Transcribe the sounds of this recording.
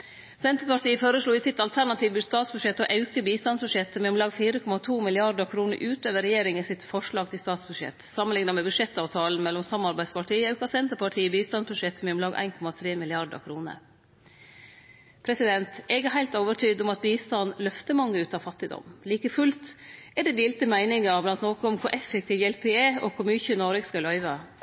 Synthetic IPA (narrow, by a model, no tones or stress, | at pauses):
sɛnt̪əɾpɑʈiːəføːɾəʂɭuːɪsɪt̪ɑlt̪ʰæɳɑt̪ʰiːʋbʉst̪ɑːt̪sbʉʂɛt̪ːɔʔɑʉkəbiːst̪ɑnsbʉʂɛt̪ːmɛɔmlɑːɡfiːɾəkʰɔmɑt̪ʰuːmɪlɪɑɾɖ̪əɾkʰɾuːnə̰ɾʔʉːt̪øːʋəɾɛjeːɾɪŋɪsɪt̪fɔʂɭɑːɡ̚t̪ɪlst̪ɑːt̪sbʉd̪ʂɛ̰t̪sɑmənlɪŋnɑmɛbʉʂɛt̪ːɑːʋt̪ʰɑːln̩mɛlːɔmsɑmɑɾbæɪspʰɑʈʰiːəɑʉkɑsɛnt̪əɾpɑʈʰiːəbiːst̪ɑnsbʉʂɛt̪ːmɛʊmlɑːɡʔæ̰ɪnkʰɔmɑt̪ʰɾeːmɪlɪɑɖə̰kʰɾuːnə̰ɾ | pʰɾɛsɪd̪ɛnt̪ɛɡɛɾɦæɪlt̪oːʋəʈʰyːd̪ɔmɑt̪biːst̪ɑnlœft̪əmɑŋːəʉːt̪ɑʋfɑt̪ːɪd̪ɔ̰mliːkəfʉlt̪ɛɖɛd̪iːlt̪əmæɪnɪŋəblɑnt̪nɔːkəɔmkʰʊɾʔɛfːɛkt̪ʰiːʋjɛlpɪɛːɔkʰʊɾmyːçənɔɾɪkskɑlœʏʋɑ